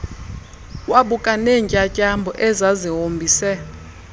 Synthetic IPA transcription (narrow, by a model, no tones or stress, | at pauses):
waɓukʼanɛɲt͡ʃʼacʼambʱɔʔɛzaziɦombʱiːsɛ